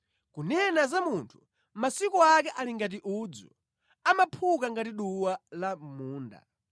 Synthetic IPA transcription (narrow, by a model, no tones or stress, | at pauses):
kunɛnazamuntʰu̥ | masikɔak̬ɛʔaliŋɡat̬iʔud͡zṵ | amapʰukaŋɡatiɗuwalam̩muːnda̰